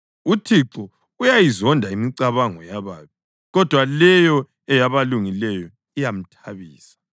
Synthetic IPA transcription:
utʰiǁɔ | ujajizɔndʱaimiǀaβaŋɔjaβaːβi | ɣɔd̥ʱwalɛjɔ | ɛjaβaluŋilɛjɔ | ijam̩tʰaβiːsḁ

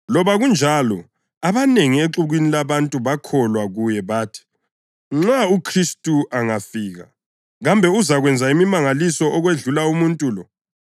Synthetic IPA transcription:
lɔβaɣund͡ʒʱalɔ̰ | aβaneŋieǁuɣwinilaβantʼuβakʰɔlwaɣujɛβaːtʰi̥ | ŋ͡ǁaukʰristʼuʔaŋafiːɣa̰ | ɣambʱɛuzaɣwɛnd͡zʱaimimaŋalisɔʔɔɣweɮulaumuntʼuːlɔ

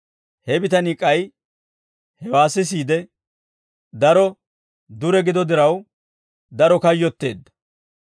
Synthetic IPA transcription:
hɛbɪt̪ɐnikʼːɐj | hɛwaːsɪs̬iːd̪ɛ | d̪ɐɾɔ | d̪ʊɾɛɡɪd̪ɔd̪ɪɾɐw | d̪ɐɾɔkɐjːɔt̪ːe̞̰ːd̪ːɐ̥

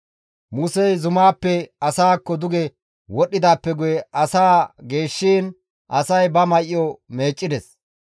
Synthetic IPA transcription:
musɛjzʊmaːpːɛɐsaːkːɔd̪ʊɡɛ | wɔɗːɪd̪aːpːɛɡʊjɛʔɐsaːɡe̞ːʃːiːn | ʔɐsɐjbɐmɐjɪjome̞ːt͡ʃʼːɪd̪ɛs

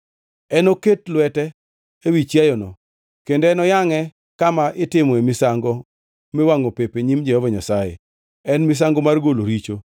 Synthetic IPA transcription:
ɛnoketlwɛtɛ | ewit͡ʃjajɔnɔ | kendoɛnɔjaŋɛ | kamaʔɪtɪmɔemisaŋɡɔ | mɪwaŋopepeɲimd͡ʒɛhɔvaɲasajḛ | ɛnmis̬aŋɡomarɡoloɾit͡ʃo

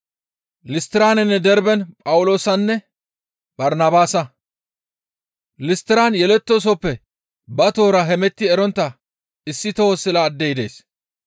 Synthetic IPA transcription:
lɪst̪ɪɾaːnɛnːɛd̪ɛɾbɛnpʼɐwʊlo̞ːsɐnːɛ | bɐɾnabaːsɐ | lɪst̪ɪɾaːnjɛlɛt̪ːos̬ɔpːɛ | bɐt̪o̞ːɾɐɦɛmɛt̪ːɪɛɾɔnt̪ːɐ | ɪsːɪt̪oosːɪlaːd̪ːɛjɪd̪ḛːs

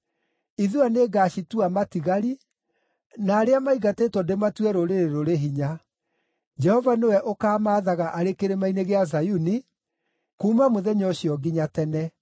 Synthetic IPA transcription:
iðuaneːɡaːɕituamatiɣaɾi | naːɾeamaiɣateːtwɔndematwɛɾoɾeɾeɾoɾeɦiɲa | d͡ʒɛhɔvanewɛʔokaːmaːðaɣaʔaɾekeɾemaineɣeazajuni | kuːmamoðɛɲɔɕijɔɡiɲatɛnɛ

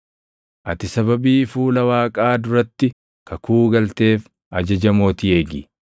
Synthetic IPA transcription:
ʔɐt̪ɪsɐbɐbiːfuːlɐwaːkʼaːd̪ʊɾɐt̪ːɪ | kʰɐkuːɡɐlt̪e̞ːf | ʔɐd͡ʒɐd͡ʒɐmo̞ːt̪ɪe̞ːɡɪ̰

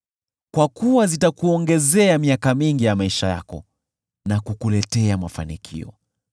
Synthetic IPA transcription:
kwakuwazitakuɔŋɡɛzɛamiakamiŋɡijamaiʃaja̰kɔ̰ | nakukulɛtɛamafa̰nikʰḭɔ̰

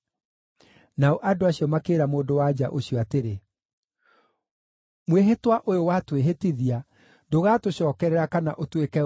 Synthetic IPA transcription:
naoʔadoaɕiɔmakeːɾamoːdowad͡ʑaʔoɕiɔateɾe | mweɦetwaʔojowatweɦetiðia | doɣaːtoɕɔːkɛɾɛɾakanaʔotwekɛ

